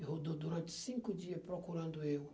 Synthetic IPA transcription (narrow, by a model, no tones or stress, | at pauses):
ɪɦod̪od̪uɾɐ̃nt͡ʃ̪ɪ̥sĩŋkʊd͡ʒiɐpɾokuɾɐ̃nd̪ʊew